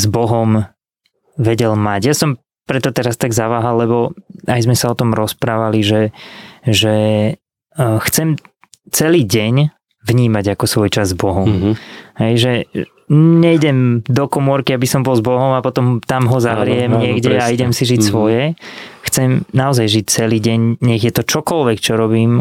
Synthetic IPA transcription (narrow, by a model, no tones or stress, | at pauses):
zbɔɦɔm | ʋɛɟɛlmaɟjasɔm | pɾɛt̪ɔt̪ɛɾast̪aɡzaʋaːɦalːɛbɔajzmɛsaɔt̪ɔmɾɔspɾaːʋaliʒɛ | ʒɛ | xt͡sɛm | t͡sɛliːɟɛɲ | ʋɲiːmaɟakɔsʋɔjt͡ʃazːbɔɦɔmɦɛjʒɛ | ɲɛiɟɛmd̪ɔkɔmʊɔɾkiabisɔmbɔlzbɔɦɔmapɔt̪ɔmt̪amɦɔzaʋɾɪɛmɲɪɛɡɟɛaiɟɛmsiʒicsʋɔjɛxt͡sɛmnaɔzajʒic̚t͡sɛliːɟɛɲɲɛɣjɛt̪ɔt͡ʃɔkɔlʋɛkt͡ʃɔɾɔbiːm